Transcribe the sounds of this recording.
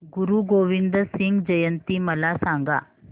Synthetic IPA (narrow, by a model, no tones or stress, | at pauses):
ɡuɾuːɡoʋind̪əsiŋɡd͡ʑəjənt̪iːməlasaŋɡa̰